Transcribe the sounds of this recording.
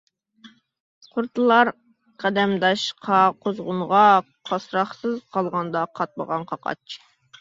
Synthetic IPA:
qʰʊɾt̪ʰɨlˠɑɾ | qʰæd̪ɛmd̪ɑʃqʰɑqʰozʁʊnʁɑ | qʰɑsɾɑχsɨzqʰɑlˠʁɑnd̪ɑqʰɑt̪̚mə̰ʁɑnqʰɑqɑ̰t͡ʃʰ

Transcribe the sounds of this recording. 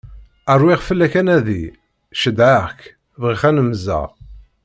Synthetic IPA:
ərˤwiʁfəlːækænæðḭ | ʃəd̪ʕak | vʁiχænəmzæ̰ʁ

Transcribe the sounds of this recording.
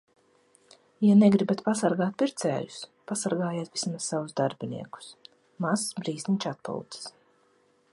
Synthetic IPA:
janɛɡɾibat̪pasaɾɡaːt̪̚pʲiɾt̪sɛ̰ːju̥spasaɾɡaːjaːt̪vismassavuzd̪aɾbinḭɛku̥s | masbɾiːzninʲt͡ʃat̪̚pṵwt̪sɪ̥s

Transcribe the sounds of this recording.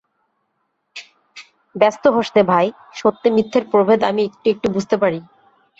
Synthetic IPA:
bɛst̪oɦoʃnebʱaj | ʃot̪ːemit̪ʰːeɾpɾobʱed̪amiek̚ʈuek̚ʈubud͡ʑʱt̪epaɾi

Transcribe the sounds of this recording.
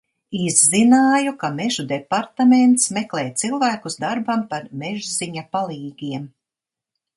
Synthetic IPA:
izːinaːjukamɛʒud̪epaɾt̪ament̪smeklˠɛːjt̪silˠvæːkuzd̪aɾbampaɾmeʒziɲapalˠiːɡiɛm

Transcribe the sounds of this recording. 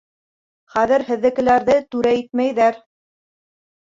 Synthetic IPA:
χæðɘ̆ɾhɘ̆ðːɘ̆kɘ̆læɾðɘt̪ʉɾæit̪mæjðæɾ

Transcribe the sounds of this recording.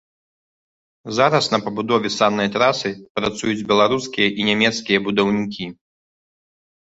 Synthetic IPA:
zaɾɐsnɐpɐbud̪ɔvʲɛsanːɐjt̪ɾasɨpɾat̪sujud͡zʲbʲɛlˠaɾuskʲijɐʔinʲɛmʲɛt̪skʲijɐbud̪ɐwnʲikʲi

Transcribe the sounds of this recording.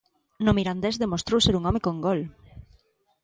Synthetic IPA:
nomiɾand̪ezðemost̪ɾowseɾuŋɔmekoŋɡɔl

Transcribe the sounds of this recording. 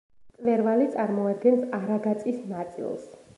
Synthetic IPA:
t̪ʼlɛɾvalit̪sʼaɾmɔad̪̚ɡɛnsaɾaɡat̪sʼisnat̪sʼḭlˠs

